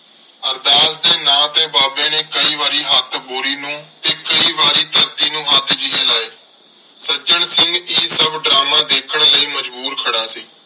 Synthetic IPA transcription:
əɾd̪aːsd̪eːnãːt̪eːbaːbẽːnẽːkəiːʋaːɾiːɦət̪ʰboːɾiːnũːt̪eːkəiːʋaːɾiːt̪əɾt̪iːnũːət̪d͡ʒieːlaːeː | səd͡ʒəɳsɪŋɡiːsəbɖɾaːmãːd̪eːkʰəɳləiːməd͡ʒbuːɾkʰəɽaːsiː

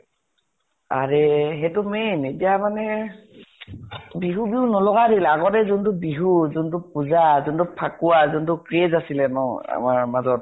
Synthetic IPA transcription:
a̰ɹɛɦɛtʊmenetijamanɛ | biɦubiɦunɔlɔɡadilaɡɔtɛzuntʊbiɦuzuntupuzazuntupʰakuwazuntʊkɹezasilɛnɔa̰maɹmazɔt̚

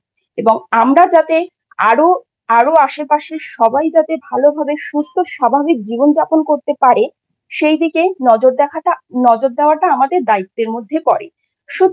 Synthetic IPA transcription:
eboŋamɾad͡ʑat̪e | aɾo | aɾoaʃepaʃiʃɔbajd͡ʑat̪ebʱalobʱabeʃust̪ʰoʃabʱabik̚d͡ʑibond͡ʑaponkoɾt̪epaɾe | ʃejd̪ikenɔd͡ʑoɾd̪ɛkʰanɔd͡ʑoɾd̪eoaʈaamad̪eɾd̪ait̪ːeɾmod̪ʱːepɔɾḛ | ʃu

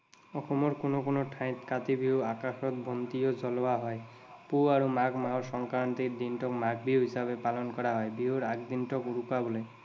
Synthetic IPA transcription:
ɔxɔmɔɾkonokonoʈʰãj̃t̪kat̪ibʱiuakaxɔt̪̚bʱɔnt̪ijozɔlɔaɦɔe | puaɾumakmaɦɔsɔŋkaɹnt̪iɾd̪inʈɔkmaɡbʱiɦuɦisabepalɔnkɔɾaɦɔebiɦoɾakd̪inʈɔkuɾukabɔle

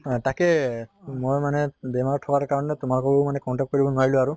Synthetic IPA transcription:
takɛmojmanɛbɛmaɹɔtʰɔkaɹkaɹɔnɛtʊmalkɔbomanɛkɔntak̚t̚koɹibɔnaɹilʊ̃aɹu

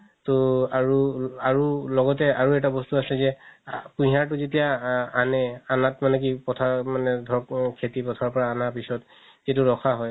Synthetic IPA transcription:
toaɹuaɹulɔɡɔtɛaɹuɛtabɔstuasɛzɛpũɦaɹtʊzetijaanɛanatmanɛk̬ipɔtʰamanɛdʱɔɹɔkkʰetipɔtʰaɹpɔɹaːnapisɔt | itʊɹɔkʰaɦɔj

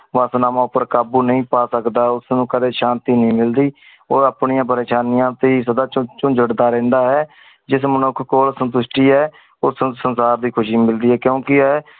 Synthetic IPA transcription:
ʋaːsnaːmãːʊpːəɾkaːbuːnəĩːpaːsəkd̪aːɛʊsnũːkəd̪eːʃaːnt̪iːnəĩːmɪld̪iː | oːɾəpɳɪjãːp̬əɾeːʃaːnɪjãːt̪eiːs̬əd̪aːt͡ʃʊ̃nd͡ʒəɽd̪aːɾɛ̃ːnd̪aːɦɛː | d͡ʒɪs̬mənʊkʰkoːlsənt̪̬ʊʃʈiːɦɛː | ʊssənsaːɾd̪iːkʰʊʃiːmɪld̪iːɦɛːkjõːkɪɛː

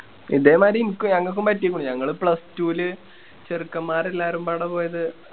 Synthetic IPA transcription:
ḭðeːmaːɾiinikʲːumɲɐŋːɐɭkːumpɐtːikʲːuɳɖɨɲɐŋːɐɭɨpɭɐstuːlɨ | t͡ɕerɨkːɐmːaːre̞lːaːɾumpaːɽɐpo̞ːjɐðɨ

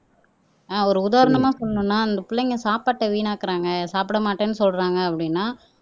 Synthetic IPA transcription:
aːɔɾɯʊðaːɾɐɳɐmaːsɔlːɐnʊ̃nːaːɐnd̪ɐpʊɭːɐŋɡɐsaːpaːʈːɐʋiːɳaːkɐɾaːŋɡɐsaːpɪɽɐmaːʈːeːnːɯsɔlɾaːŋɡɐɐpːɐɽɪnːaː

